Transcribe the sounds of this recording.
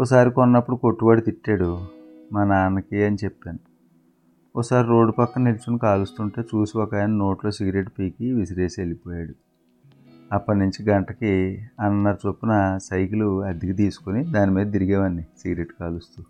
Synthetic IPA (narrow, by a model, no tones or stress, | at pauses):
ɔsaːɾikɔnːɐpːuɽuko̞ʈːuʋaːɽit̪iʈːaːɽu | mɐnɐaːnɐkiɐnit͡ʃepːaːnu | ɔsaːɾiɾo̞ːɖupɐkːɐnelut͡ʃunikaːlust̪uɳʈe̞ːt͡ʃuːsiɔkaːjnɐno̞ːʈlo̞ːsiɡɾe̞ʈpiːkiʋisiɾeːselipɔːjaːɽu | ɐpːɐnuɲt͡ʃiɡɐɳʈɐkiɐnːɐɾt͡ʃopːunɐsɐjkiluɐd̪iɡɐt̪̬iːsu̥konid̪aːnimiːd̪ɐt̪̬iɾiɡɛːʋɐnːisiɡɾe̞ʈkaːlust̪u